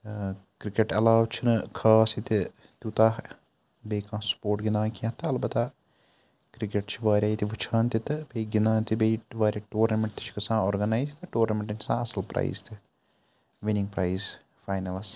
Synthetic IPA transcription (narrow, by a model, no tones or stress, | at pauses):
kɾikʲːeʈɐlaːʋt͡ʃʰɨnɨkʰaːsit̪ɨ | t̪ut̪aːh | bejkãːsu̥poːʈɡinaːkijãt̪ːɐːlbɐt̪aː | kɾikeʈt͡ʃiʋaːɾʲjaːjit̪iʋɨt͡ʃʰaːnt̪it̪ːɨbeːɡinaːnt̪ibejʈʋaːɾʲɐʈoːrnɐmeɳʈt̪i̥ʃi̥kɨsãːoːrɡɐnajst̪ɨʈoːrnɐmeɳʈɐnt͡ʃʰi̥sãːɐsɐlprɐ̰jst̪ʰɨ | ʋiniŋpɾɐjs | fajnɐls